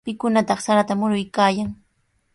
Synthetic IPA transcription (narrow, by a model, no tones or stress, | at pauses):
pɪkʊnat̪ɑχsaɾat̪amʊɾʊjkaːjaŋ